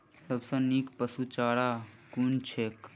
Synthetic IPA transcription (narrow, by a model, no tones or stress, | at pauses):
səbsə̃nikpəsut͡ʃaːɽakunt͡ʃʰeːk